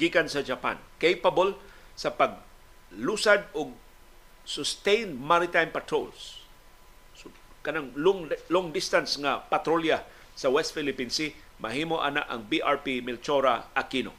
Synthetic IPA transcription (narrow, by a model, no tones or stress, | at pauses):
ɡ̥ikansɐd͡ʒapa̰nkejpabolsɐpaɡ̚ | lusad̪̚ʊɡ̚ | sʊst̪ejnmaɾɪt̪ajmpat̪ɾo̰ls | kɐnaŋlŋloŋd̪ɪst̪ansŋapat̪ɾolja | sɐwɛst̪̚fɪlɪpinsɪ | mɐɦimoʔa̰na̰ʔɐ̰ŋbiʔaɹpimɪlt͡ʃoɾa̰akino̰